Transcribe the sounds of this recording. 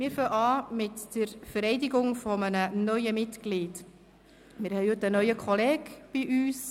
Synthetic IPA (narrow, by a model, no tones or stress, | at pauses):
mɪːɾfœʔɑːmɪtd̥əɾfəɾɛɪdiɡʊŋfɔmənənœʏəmɪtɡliːt | mɪɾhɛjhɵtənœʏəkʰχɔlɛːɡb̥iʔyːs